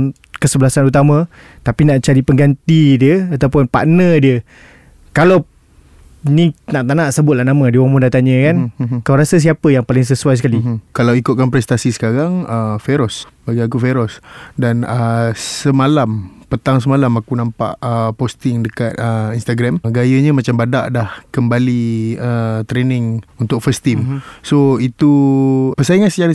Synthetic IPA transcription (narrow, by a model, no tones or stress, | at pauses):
kəsəbəlasanut̪amã | t̪apinaʔt͡ʃaɾipəŋɡant̪idiəat̪awpʊnpa̰ʔnədiə | kalaw | ninaʔt̪anãʔsəbʊt̪̚lahnãmə̃diəwaŋmundat̪aɲə̃kankawɾasas̬iapəjaŋpalɪŋs̬əsuajsəkalikalawikʊt̪̚kanpɾɛst̪asisə̥kaɾaŋəfeɾɔs | baɡajak̬ufeɾɔsdanəsəmalampət̪aŋs̬əmalamakunãmpa̰ʔəpost̪ɪŋdəkat̪̚əinst̪aɡɾɛmɡajəɲəmat͡ʃambada̰ʔdahkəmbaliət̪ɾenɪŋunt̪ʊk̚fəst̪imsoit̪upəsajiŋansət͡ʃaɾə